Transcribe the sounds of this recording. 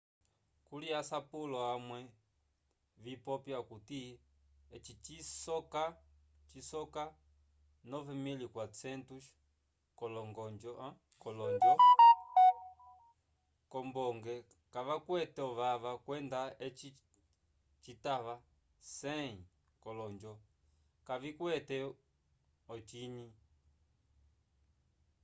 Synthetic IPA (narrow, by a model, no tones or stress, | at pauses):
kuliasapulɔamwɛ | βipɔpjakuti | ɛt͡ʃit͡ʃisɔkat͡ʃisɔka | nɔvɛmilikwat͡sɛntu | kɔlɔŋɡɔnd͡ʒɔ | kɔlɔɲd͡ʒɔ | kɔmbɔŋɡɛ | kaβakwɛtɛɔβaβakwɛndaɛt͡ʃ | t͡ʃitaβa | sɛĩ | kɔlɔnd͡ʒɔ | kaβikwɛtɛ | ɔt͡ʃiɲi